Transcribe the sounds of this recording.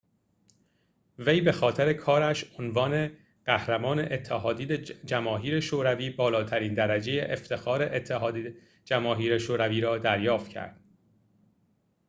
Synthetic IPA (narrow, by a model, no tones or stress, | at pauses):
vejbe̞xɒːt̪ʰeɾe̞kʰɒːɾæʃonvɒːne̞ | ɢ̥æhɾæmɒːne̞ʔet̪ʰːæɦɒːd̪iːd͡ʒæmɒːɦiːɾe̞ʃoːɾæviːbɒːlɒːt̪ʰæɾiːnd̪æɾæd͡ʒejḛʔeft̪ʰe̞xɒːɾe̞ʔet̪ʰːehːd̪ | d͡ʒæmɒːɦiːɾeʃoːɾæviːɾɒːd̪æɾjɒːft̪cʰæ̰ɾd̪̥